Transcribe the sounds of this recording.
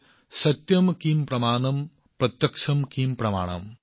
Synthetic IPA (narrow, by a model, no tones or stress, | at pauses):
sɐt̪jɐmkiːmprɐmaːnɐm | prɐt̪jɐkʂɐmkiːmprɐma̰ːɳɐ̰m